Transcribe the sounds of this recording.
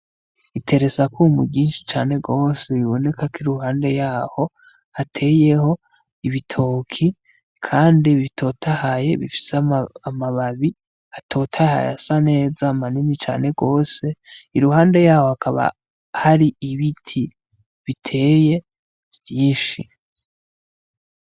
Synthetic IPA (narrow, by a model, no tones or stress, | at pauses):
itʰe̞ɾe̞zakumṵɟiːnʃi̥t͡ʃaːne̞ɡo̞ːse̞βiβo̞ne̞kakiɾuhaːnde̞jaːho̞ | hatʰe̞ːje̞ho̞ | iβitʰo̞ːkʰi | kʰaːndiβitʰo̞tʰahaje̞̰βḭfi̥seamaβaβi | atʰo̞tʰaha̰ja̰sane̞ːzamaninit͡ʃa̰ːne̞ɡo̞ːse̞iɾuhaːnde̞jaːho̞hakʰaβa̰ | haɾiiβitʰi | βitʰe̞ːje̞ | β̥jiːnʃi